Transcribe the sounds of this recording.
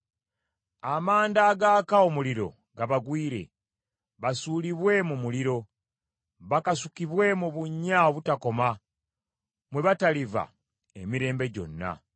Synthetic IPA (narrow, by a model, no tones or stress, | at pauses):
amaːndaːɡakao̞muliɾo̞̰ | ɡaβaɡwiːɾe̞̰ | βasuːliβwe̞mumuliɾo̞ | βakasukiβwe̞muβuɲːaoβutako̞ma | mwe̞βataliva̰ | emiɾe̞ːmbe̞ɟo̞̰nːa̰